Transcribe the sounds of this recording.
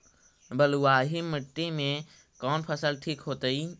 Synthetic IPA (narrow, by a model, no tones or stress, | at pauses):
bɐluwaːɦimɪʈːemẽ | kɔːnpʰəsəlʈʰiːkɦoːt̪ai